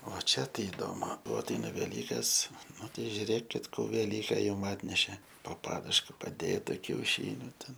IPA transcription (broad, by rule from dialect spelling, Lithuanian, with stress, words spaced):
oː ˈt͡ʃʲɛ ˈtɐɪ ɪˈdoːmʊ ˈbuɔ ɐtʲˈɛɪnɐ ʋʲɛˈlʲiːkɐs ˈnʊ ˈtʲɛɪ ʒʲʊˈrʲeːkʲɪt ˈkuː ʋʲɛˈlʲiːkʲɛ ˈjʊm ˈɑːtʲnʲɛʃʲɛ poː ˈpɑːdʊʃkɐ pɐˈdʲeːtɐ kʲɛʊˈʃʲiːnʲʊ ˈtʲɛn